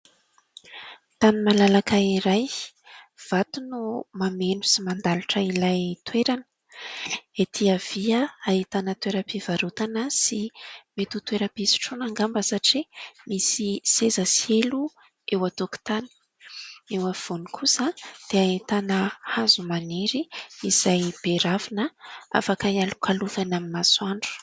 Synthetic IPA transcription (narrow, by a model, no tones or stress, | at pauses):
t̪animalalakaiɾaj | v̥at̪unumamenu̥simand̪aluʈ͡ʂəilajt̪weɾanə̥ | et̪ʰiav̥iəaɦit̪anət̪weɾəpivaɾut̪anəsimet̪ut̪weɾəpisi̥ʈ͡ʂonaŋɡambəsaʈ͡ʂimisisezəsielu | ewat̪oku̥t̪ani̥ | ewav̥onikʰusəd̪̥eait̪anəhazumaneɾiiz̥ajb̥eɾavinəa̰fakaialu̥kʰalufanamimaswaɳɖ͡ʐu̥